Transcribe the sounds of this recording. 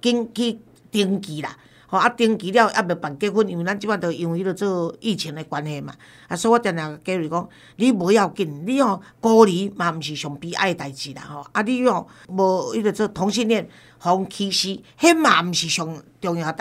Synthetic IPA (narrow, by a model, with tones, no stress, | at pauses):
ki˦ŋkʰi˧ | t̪i˧ŋki˨˦la̰˨ | hɔ˨˩a˦t̪i˧ŋki˨˦ɾja˧˨wʔa̰˦be˨˩pa˨nke˦ɦu˦˧nĩ˧˩wi˨ɾa˦nt͡ɕi˦mã˦˧t̪ə˨i˧ŋwi˧˦i˦do˧t͡sə˥˧i˧˨t͡ɕʰi˧˦ŋe˧kwa˧nhe˧mã̰˨ | a˧˦sɔ˧˦˧wa˦˧t̪ja˨˧nã˨˩˨ke˧˦wi˨kɔ˦ŋ | li˦bə˧˦ja˧˨wki˧˩nli˦hɔ̃˨kɔ˧ɾi˨˦mã˨m̩˨ɕi˨˩ɕɔ˨ŋpi˧˦ʔa̰˧˦˨e˧t̪a˨jt͡ɕi˨la̰˨hɔ˨a˦li˦ɔ̃˨ | bo˧i˦də˨˧t͡səː˥˧t̪ʰɔ˨˧˦ŋɕ̬i˧njɛ˥˧˨n | hɔ˨˦ŋkʰi˧ɕi˧he˦mã˨m̩˨ɕi˨˩ɕjɔ˨˩ŋt̪jɔ˧ŋja˨˩t̪a˨